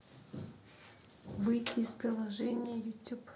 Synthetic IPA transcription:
vɨjtʲɪːspɾʲɪlˠɐʐɛnʲɪjəjʊtʲup

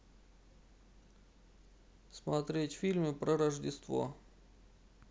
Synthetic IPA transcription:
smɐt̪ɾʲetʲfʲilʲmʲɪpɾəɾəʐdʲɪst̪vo̰

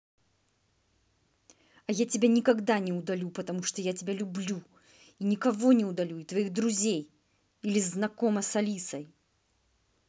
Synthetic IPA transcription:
ɐjatʲɪbʲanʲɪkɐɡd̪anʲɪʊd̪ɐlʲupət̪ɐmuʂt̪ojatʲɪbʲalʲʊblʲu | inʲɪkɐvonʲɪʊd̪ɐlʲuɪt̪vɐiɣd̪ɾʊzʲej | ilʲɪznɐkomɐsɐlʲisɐj

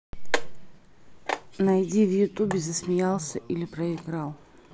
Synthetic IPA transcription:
nɐjdʲivjʊt̪ubʲɪzəsmʲɪjalˠsʲəʔilʲɪpɾəɪɡɾalˠ

